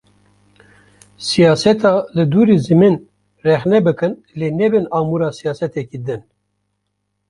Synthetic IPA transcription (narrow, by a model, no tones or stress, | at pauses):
sijɑːsɛt̪ʰɑːlɨd̪uːɾiːzɨmin | rɛxnɛbɨkɨn | leːnɛbɨnɑːmuɾɑːsijɑːsɛt̪ɛkiːd̪ɨn